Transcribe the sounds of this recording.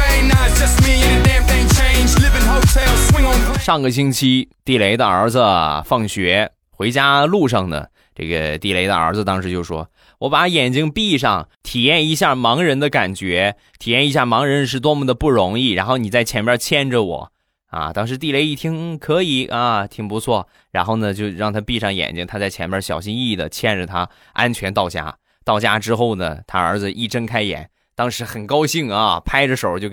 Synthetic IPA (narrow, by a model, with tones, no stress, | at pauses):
eɪnəd̥ʒ̥ʌst̚miɪ̃nðəfẽɪ̃t͡ʃʰẽɪ̃nd͡ʒlɪvɪ̃ŋhoʊtʰɛlˠswɪ̃ŋnʂɑ˥˩ŋɡə˩ɕ̬i˥ŋt͡ɕʰi˥t̪i˥˩le˧˥ɪd̪ə˧ə̰˞˧˥d͡zə˧fɑ˥˩ŋɕɥɛ˧˥ | xwe˧˥ɪt͡ɕja˥lu˥˩ʂ̬ɑ˥˩ŋd̪ə̰˩ | ʈ͡ʂɤ̰˥˩ɡə̰˩t̪i˥˩le˧˥ɪd̪ə̰˧ə̰˞˧˥d͡zə˧t̪ɑ˥ŋʂɻ̩˧˥t͡ɕjo˥˩ʊʂwɔ̰˥ | wɔ˧˥pa˨˩˥jɛ˨˩nt͡ɕi˥ŋpi˥˧ʂɑ˥˩ŋt̪ʰi˨˩jɛ˥˩ni˧˥ɕja˥˩mɑ˧˥ŋɻə˧˥nd̪ə˧ka˨˩nt͡ɕɥɛ˧˥ | t̪ʰi˨˩jɛ˥˩ni˧˥ɕja˥˩mɑ˧˥ŋɻə˧˥nʂ̬ɻ̩˥˩t̪wɔ˥mə˧˩d̪ə˩pu˥˩ɻʊ˧˥ŋi˥˩ɻa˧˥nxo˥˩ʊni˨˩t͡sa˥˩ɪt͡ɕʰjɛ˧˥npʲjɐ˥t͡ɕʰjɛ˥˩nʈ͡ʂə˨˩wɔ̰˨˩˦ | ɐ̰˧˩t̪ɑ˥ŋʂɻ̩˧˥t̪̬i˥˩le˧˥ɪi˥˩t̪ʰi˥ŋkʰɤ˧˥i˧˩ʔɐ˧t̪ʰi˨˩ŋpu˧˥t͡sʰwɔ˥˩ | ɻa˧˥nxo˥˩ʊnə˩t͡ɕjo˥˧ʊɻɑ˥˩ŋt̪ʰa˥pi˥˧ʂɑ˥˩ŋjɛ̰˨˩nt͡ɕi˥ŋt̪ʰa˥t͡sa˥˩ɪt͡ɕʰjɛ˧˥npjɐ˥ɕjɑ˨˩ʊɕi˥ni˥˩d̪ə̰˩t͡ɕʰjɛ˥˩nʈ͡ʂə˨˩t̪ʰa˥ | ʔa̰˥nt͡ɕʰɥɛ˧˥nt̪ɑ˥˩ʊt͡ɕja̰˥ | t̪ɑ˥˩ʊt͡ɕja˥ʈ͡ʂɻ̩˥xo˥˩ʊd̪ə̰˩t̪ʰa˥ə˞˧˥d͡zɹ̩˧ʔi˥˩ʈ͡ʂə˥nkʰa˥ɪjɛ̰˨˩˦n | t̪ɑ˥ŋʂɻ̩˧˥xə˨˩nkɑ˥ʊɕi˥˩˧ŋə˩pʰa˥ɪʈ͡ʂə˨˧ʂo˨˩˥ʊt͡ɕjo˥˧ʊ